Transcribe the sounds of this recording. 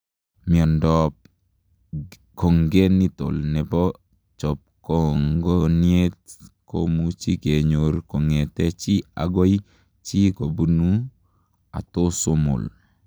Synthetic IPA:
mi˨ɔ˨ndɔp̚ | ko˨ŋɡe˦ni˦to̰˨lnɛ˨bɔ˦ | t͡ʃɔ˨p̚kɔŋɡɔ˦nie˦t̚ko̰mu˦t͡ʃi˦ke˨ɲo˨ɾko˨ŋe˨tɛ˦t͡ʃi˦a̰˨ɡo˦j | t͡ʃi˦ko˨bu˦nu˦ | a̰˨to˦so˦mʊ̰˨l

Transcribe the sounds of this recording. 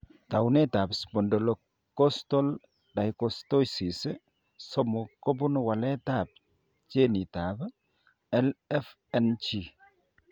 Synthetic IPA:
ta˨wnɛ˦ta˨bspɔ˨ndɔlɔ | kːɔstɔ˦l | da˨jkɔstɔ˦jsi˨s | sɔmɔkɔ˦bunwa˨lɛ˦tap̚ | t͡ʃe˦ni˨tab | ɛlɛf | ɛnt͡ʃi

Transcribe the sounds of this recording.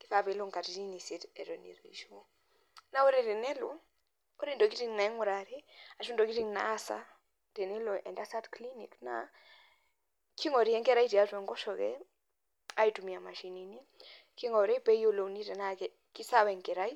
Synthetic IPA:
ki˦θape˨lo˦ŋka˨tini˦nisi˦tɛ˨ɾɔ˨nḭ˨ɾi˨ʃo˦ | na˦wo˦ɾɛtɛ˨nɛ˦lɔ | o˦ɾe˦ndo˨ki˦ɾi˦ŋna˨ɛ˦ŋu˨ɾa˨ɾi˦a˨ʃu˦ndo˨ki˦ti˨ŋna̰sa̰ | tɛ˨nɛ˦lɔ˨ʔɛ̰˨ndasatkli˦ni˨kna̰ | ki˦ŋɔ˨ɾi˨ɛ˦ŋkɛ˦ɾa˦jti˨atwɛ˨ŋɡɔ˦ʃɔkɛ̰ | a˦itu˨mi˨a˨ma˨ʃinini˦ | ki˦ŋɔ˨ɾɛ˦pɛ˦jo˦lo˨wni˦tɛ˨nak | ki˦sawɛ˨ŋkɛ˨ɾa˦j

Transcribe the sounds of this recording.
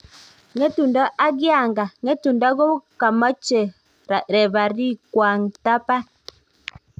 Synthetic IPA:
ŋɛ˦tu˨nda˦ʔa˦ɡja˦˨ŋɡa˨ŋɛ˦tu˨nda˦ɡɔ˦ka˨ma˦t͡ʃɛ˨ | ɾɛ˨βa˨ɾi˦kwa˨ŋ˨ta˦pa˦

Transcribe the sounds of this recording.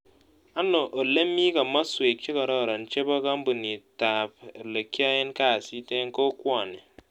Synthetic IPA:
a˦no˨ʔo˨le˦mːi˦ka˨ma˦swe˨t͡ʃi˦kɔ˨ɾɔ˦˨ɾa˨n̩˦t͡ʃe˦bɔ˦ka˦m̩˦bu˨ni˨ta˨ple˨ka˦je˦nka˦˨si˦te˦ŋ˦ko˦kwʷɔ˦˨ni˨

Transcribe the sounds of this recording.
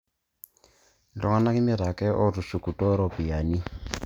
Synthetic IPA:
lɔ˨ŋa˦na˦kɪ˦mɪ˦ɾa˨kʼɛ˦ʔɔ˦ɾu˨su˨ku˨tʼɔ˦ɾɔ˦˨pi˨ja˨ni˦

